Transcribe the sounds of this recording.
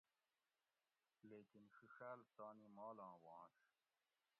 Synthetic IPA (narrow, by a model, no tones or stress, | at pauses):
leːkinʂuɕæːlt̪aːnimaːlɑ̃ːwɑ̃ːɕ